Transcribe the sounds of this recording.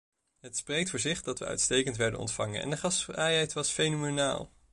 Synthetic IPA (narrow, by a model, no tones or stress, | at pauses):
ɦətsprejk̚tfʊːɹzɪχdɑtʋə̰œ̰ɥtstejkəntʋɛɹdənɔ̰ntfɑŋə̰nɛ̰ndəχɑsrajɛjtʋɑsfejnomona̰ːlˠ